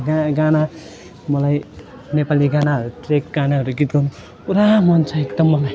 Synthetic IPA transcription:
ɡaɡana | mʌlaj | nepaliɡanaɦʌɾut̪rek̚ɡanaɦʌɾuɡit̪̚ɡʌnu | uɾamʌnt͡sʰʌek̚d̪ʌmːʌlaj

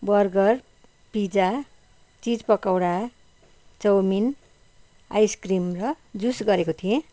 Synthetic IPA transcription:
bʌrɡʌr | pid͡za | t͡sid͡zpʌkawɽa | t͡sʌwmin | a̰jskrimrʌ | d͡zusɡʌɾekot̪ʰijẽ

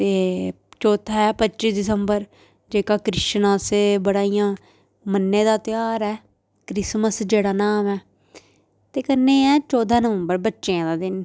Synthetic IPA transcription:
t̪eː | t͡ʃɔːt̪ʰaːɦɛːpətːʃiːsd̪ɪsəmbəɾ | d͡ʒeːkaːkɾɪʃnãːseːbəɽaːijãː | mənːeːd̪aːt̪ɪjaːɾɛː | kɾɪsməsd͡ʒeːɽaːnaːmɛː | t̪eːkənːeːɛːt͡ʃɔːd̪aːnəʋəmbəɾbətːʃeãːd̪aːd̪ɪn

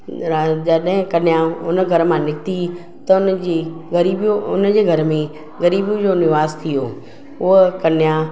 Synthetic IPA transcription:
d͡ʑɐɗɦɪ̃kɐnɪjãʊnəɡʱɐɾmãnɪkt̪i | t̪ɐʊnd͡ʑeɐɾiːbʊ̰nəd͡ʑeːɡʱɐɾmẽ | ɣɐɾiːbũd͡ʑonɪʋaːst̪ʰijoː | ʊɦkɐnɪjã

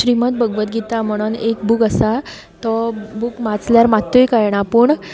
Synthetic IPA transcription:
ɕɾimat̪̚bəɡʋət̪ɡʱit̪am̤əɽ̃unek̚bukəsa | t̪ɔbukmat͡sljaɾmat̪ːojkajɳ̃apəɳ

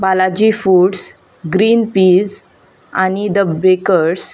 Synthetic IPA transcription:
balad͡ʑiːfuːɖs | ɡɾiːnpiːz | añid̪əbekəɾs

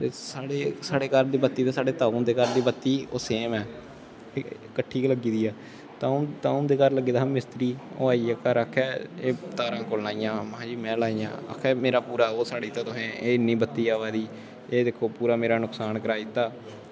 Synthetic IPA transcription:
t̪eːsaːɽeːsaːɽeːkəɾd̪iːbət̪ːiːt̪eːsaːɽeːt̪aːũːd̪eːkəɾd̪iːbət̪ːiːoːseːmɛː | kəʈʰːiːkləɡiːd̪iːɛː | t̪ãːt̪aːũd̪eːkəɾləɡiːd̪aãːmɪst̪ɾiːo̰ːaːiaːkəɾəkʰːɛːeːt̪aːɾãːkoːlnaːijãːməɦãːd͡ʒiːmɛ̃ːlaːijã̰ːə̰kʰːɛːmeːɾaːpuːɾaːoːsaːɽiːt̪ãːt̪ʊsẽːeːɪnːĩːbət̪ːiːaːʋaːd̪iː | eːd̪ekʰːoːpuːɾaːmeːɾaːnʊksaːnkəɾaːiːt̪ːaː

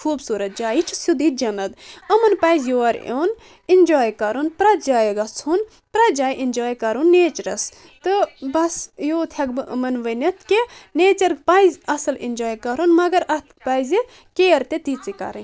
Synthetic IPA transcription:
kʰuːbsuːɾɐt̪̚d͡ʒaːjit͡ʃʰusud̪id͡ʒɐnɐd̪ɐmɐnpɐːjzjoːɐɾo̰ːn | inʲd͡ʒoːjkɐɾunpɾɐd͡ʒaːjɡɐt͡sʰun | pɾɐd͡ʒaːjʔinʲd͡ʒaːjkɐɾunːeːt͡ʃɾɐs | t̪ɨbɐsjoːt̪ʰɐɡ̚bɨʔɐ̰mɐnʋɐnɐt̪ʰkeneːt͡ʃɐɾpɐjzʲɐsɐlḭnd͡ʒoːjkɐɾonmɐɡɐɾɐt̪pɐjzi | keːɐɾt̪et̪it͡sikɐ̰ɾɐn

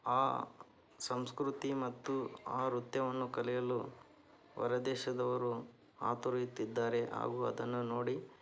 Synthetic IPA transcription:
aː | sɐmskɾut̪imɐt̪ːuaːɾut̪jɐʋɐnːukɐlɛjɐlu | ʋɐ̰ɾɐd̪ɛːʃɐd̪ɐʋɐɾu | a̰ːt̪uɾɐjut̪ːid̪ːaːɾe̞ʔa̰ːɡuːɐ̰d̪ɐnːuno̞ːɽi

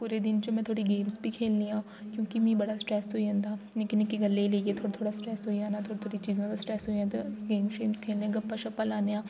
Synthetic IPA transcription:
puːɾed̪ɪnt͡ʃomɛ̃t̪ʰoːɽiɡeːmsbʱikʰeːllijãː | kjõːkimɛ̃bɐɽasʈɾɛːsɦoːiɦɐ̃nd̪aːnekɪnekiɡɐlːeileːɡet̪ʰoːt̪ʰoːɽasʈɾɛːsɦoiãːnat̪ʰoːɽit̪ʰoːɽit͡ʃiːz̃ãt̪asʈɾɛːsoiãːt̪oɡeːmʃeːmskʰeːliãɡɐpːɐʃɐpːalaːnejãː

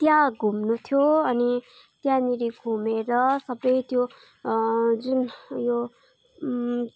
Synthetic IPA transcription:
t̪jãɡʱumnut̪ʰjoʌni | t̪jãniɾiɡʱumeɾʌsʌbɾʌjt̪jo | d͡zunjo

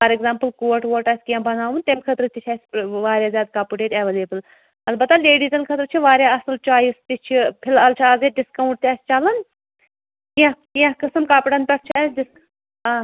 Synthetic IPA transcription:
pɐɾɛɡzaːmpəlkoːʈʋoːʈaːsʲkijãːbɐnaːʋunt̪emkʰɐt̪ɾɨt̪it͡ʃʰaːsʲʋaːɾʲjaːzjaːd̪̚kaːpuʈeːʈeʋeleːbɨl | ɐlbɐt̪ːaleːɖiːzʲɐnkʰɐt̪ɾɨt͡ʃʰiʋaːɾjaːɐsɨlt͡ʃaːjist̪it͡ʃʰipʰilaːlt͡ʃʰiaːzeɖɪskɐuɳʈ̚t̪ʲɛːst͡ʃalɐn | kijãkijãkɐsɐmkaːpʈɐnpʲɐʈ̚ʰt͡ʃʰiɐsɖis | aː

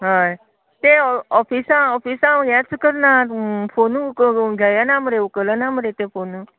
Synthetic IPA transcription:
ɦaj | t̪eɔpʰisãɔpʰisãjãt͡skəɾnapʰonũkɡʱajanaməɾeukələnaməɾet̪efʰonu

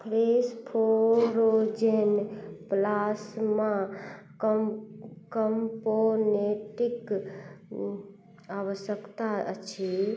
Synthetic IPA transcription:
pʰɾespʰoɾod͡ʒeɦnplasmã | kəmponeʈik | awəsjəkt̪aət͡ʃʰi

